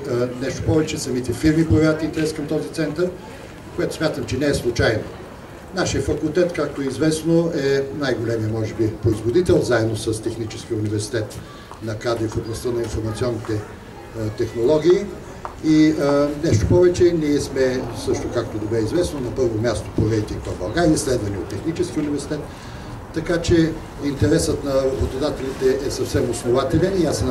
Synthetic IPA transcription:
nɛʃt̪opɔvɛt͡ʃɛsɐmit̪ɛfiɾmipɾoɐvʲat̪int̪ɛɾɛskɐmt̪ɔzit̪sɛnt̪əɾ | kojɛt̪o̥smʲjat̪əmt͡ʃɛnɛɛslˠut͡ʃajno | naʃijəfɐkulˠt̪ɛt̪kakt̪oɛizvɛsnoɛnajɡolɛmijəmɔʒɛbipɾoizvod̪it̪ɛlˠzaɛd̪nosəst̪ɛxnit͡ʃɛsk̟iəunivɛɾsi̥t̪ɛt̪ | nɐkad̪ɾifoblˠɐst̪ənɐinfoɾmɐt̪siɔnːit̪ɛ | t̪ɛxnolˠɔɡʲiː | inɛʃt̪o̥pɔvɛt͡ʃɛniɛsmɛsɤʃt̪okakt̪od̪obɛizvɛsnonɐpɤɾvomʲjast̪o̥pɾovɛit̪ɛkt̪ɔbɐlˠɡaɾʲiɛslɛd̪vɐniot̪ːɛxnit͡ʃɛskʲiʊnivɛɾsi̥t̪ɛt̪ː | ɐkat͡ʃɛ | int̪ɛɾɛsət̪nɐɾɐbot̪od̪at̪ɛlʲit̪ɛʔɛsɐfsɛmosnovat̪ɛlʲɛnias

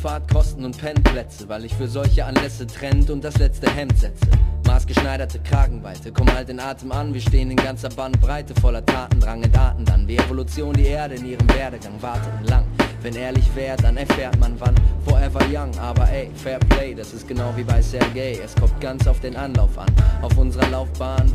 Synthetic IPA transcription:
faːɐt̚kʰɔstn̩ʊntpʰɛnpʰl̥ɛt͡səvaɪlɪçfyːɐzɔlçəʔanlɛsətʁ̥ɛntʊnt̚d̥aslɛt͡stəɦɛmtz̥ɛt͡sə̰maːsɡ̥əʃnaɪɾɐtʰəkʁ̥aːɡŋ̩vaɪtʰəkʰɔmənhaltɪnʔaːtʰəmanviːɐʃteːənɪnɡant͡sɐbant̚b̥ʁaɪtəfɔlɐtʰaːtn̩dʁaŋəntʔaːtn̩da̰nviːʁevolut͡sjoːndiːʔeːɐɾəɪnʔiːʁ̞əmvɛːɐɾəɡaŋvaɐtʰətlaŋvɛnʔeːɐlɪçv̥ɛːʁəd̥anɛɐfɛːɐtmanvanfɔɐʔɛvɐjaŋʔaːbɐʔɛɪfɛːɐpʰleɪdasɪst̚ɡ̥ənaʊviːbaɪsɛɐɡeɪɛskʰɔmt̚ɡ̥ant͡saʊfd̥eːnʔanlaʊfʔa̰naʊfʔʊnzəʁɐlaʊfb̥aːn

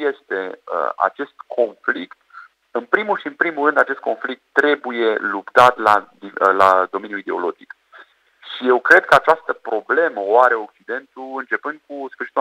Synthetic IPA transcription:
je̞st̪e̞ə̰a̰t͡ʃe̞st̪kʰo̞nflikt̪ | ɨnpɾimulʃiɨnpɾimulrɨnd̪at͡ʃest̪̚ko̞nflik̚t̪ːɾe̞buje̞lupt̪at̪lad̪ilad̪o̞me̞njuid̪e̞o̞lo̞d͡ʒik | ʃije̞wkɾe̞d̪̥̚kəat͡ʃast̪əpɾo̞ble̞məoaɾe̞o̞k̚t͡ʃid̪e̞nt̪uɨnt͡ʃe̞pɨnd̪̚kusfɨrʃit̪

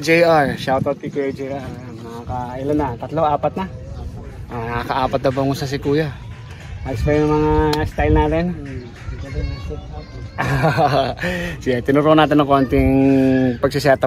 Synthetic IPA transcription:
d͡ʒɛjʔaɹʃawt̪ot̪̚kikɛd͡ʒɛjʔaɹ | nɐakɐʔɪlanːɐt̪ɐt̪loaːpɐt̪̚nɐ | anɐakɐʔaːpɐt̪nɐbɐŋʊsas̬ɪkuːja | aɡskɐjnɐŋmɐŋast̪ajlnaːt̪ɛn | siat̪ɪnʊɾuːnaːt̪ɪnɐŋkoːnt̪ɪŋpɐɡsɪsat̪ɐ

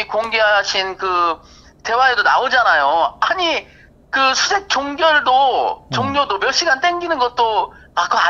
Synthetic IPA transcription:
ikoŋɡe̞ɦaaɕʰinkɯ | te̞waedona̰od͡ʑanajoaɲi | kɯsʰusʰe̞k̚t͡ɕoŋɡjʌɭdot͡ɕoŋɲodomjʌɕ͈ʰiɡant͈eŋɡinɯnɡʌt̚t͈oakɯa

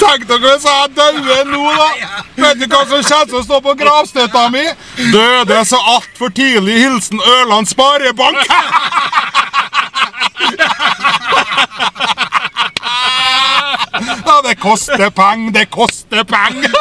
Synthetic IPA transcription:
t̪ʰɛŋkt̪ɔkʋɛsææd̪ɑʉənuːd̪ɑʋæɪt̪̚d̪ʉkʋɑːsɔmɕɛd̪sɔmst̪oːpɔɡɾɑːʋst̪œt̪ɑmɪ | d̪øːd̪əsɔɑlt̪fɔʈiːlɪhɪlsn̩øːlɑnspɑɾəbɑŋk | jɑd̪ɛkʰɔst̪əpʰɛŋːd̪ɛkʰɔst̪əpʰæŋː

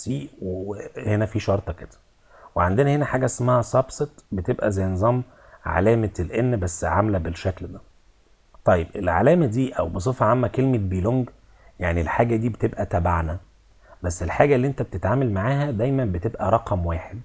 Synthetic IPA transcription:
siːweehenæfiːʃɑɾˤt̪ˤɑked̪̥æ̥ | weʕand̪enæhenæħaːɡæʔesmæhæsˤɑbset̪bet̪ebʔæ̰zæjnzˤɑm | ʕa̰læːmælʔenːbæsːʕamlæbelʃækld̪æ | t̪ˤɑjːebʔelʕa̰læːmæd̪iːʔæwbesˤefɑʕamːækelmet̪̚biːloŋɡ | jaʕnilħaːɡæd̪iːbet̪ebʔæt̪æbaʕnæ | bæsːelħaːɡælːiːʔent̪æb̚t̪et̪ʕaːmælmaʕaːɦæd̪æjmænbet̪ebʔæɾˤɑqɑmwaːħed̪

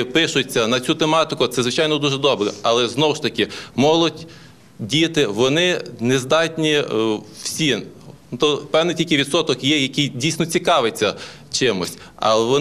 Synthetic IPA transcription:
pɪʃʊt͡sʲːɐnɐt͡sʲut̪emɑt̪ɪkʊt̪sɛzʋɪt͡ʃɑjnɔd̪uʒɛd̪ɔbɾɛ̰ɐlˠɛznɔwʃt̪ɐkɪmɔlˠʊtʲ | dʲijt̪ɪʋɔnɪnezd̪ɑtʲnʲiw̥sʲin | t̪ɔpɛwnɪjtʲilʲkɪjʋʲid̪sɔt̪ɔkjɛjɐkijdʲijsʲnɔt͡sʲikɑʋet͡sʲːɐ | t͡ʃɪmʊsʲtʲ | ɐ̰lɛʋɔ

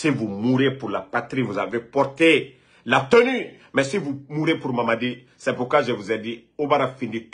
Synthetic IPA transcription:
sivumuɾepuɾlapat̪ɾivuzavepɔɾt̪e | lat̪øny | mɛsivumuɾepuɾmamadi | sɛpuɾkwaʒəvuzɛdi | obaɾafinit̪

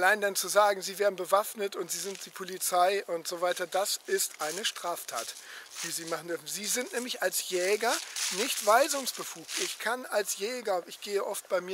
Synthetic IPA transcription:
alaɪndant͡suzaːɡŋ̩ziːveːɐdn̩bəvafnətʊntz̥iːzɪnt̚d̥iːpʰolit͡saɪʔʊntz̥ovaɪtɐdasʔɪstʔaɪnəʃtʁ̥aːftʰa̰ːtv̥iːziːmaχn̩dʏɐfn̩ziːzɪntnɛːmlɪçalsjɛːɡɐnɪçtv̥aɪzʊŋsb̥əfuːk̚tʔɪçkʰanalsjɛːɡɐʔɪçɡ̥eːəʔɔft̚b̥aɪmiːɐ

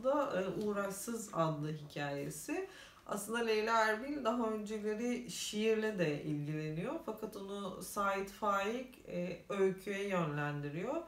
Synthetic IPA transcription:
d̪aʔuːɾaksɯza̰d̪lˠɯɦicʰaːje̞̰sɪ | a̰slɯnd̪alʲejlʲɛæɾbilʲd̪aɦaø̞nd͡ʒɛlʲeɾɪʃijiɾlʲid̪ɛʔḭlʲɟilʲe̞nijofakʰat̪onusaːit̪faːjicː | øjcʰyjɛjø̞nlʲænd̪iɾijo

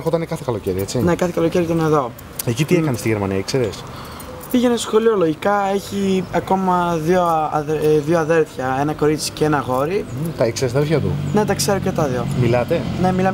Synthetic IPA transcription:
xot̪ɐnekɐθekɐlo̞ceɾiet͡sinekɐθekɐlo̞ceɾiit̪ɐneðo̞ | ecit̪iekɐnest̪iʝeɾmɐniɐikseɾes | piʝe̞nesxo̞liolo̞ʝikɐe̞çiɐko̞mɐðio̞ɐðioɐðe̞lθçɐe̞nɐko̞ɾit͡si̥ceenɐɣo̞ɾit̪ɐekseɾesɐðelçɐt̪ṵne̞t̪ɐkse̞ɾocet̪ɐðiomilɐt̪e̞ne̞milɐm

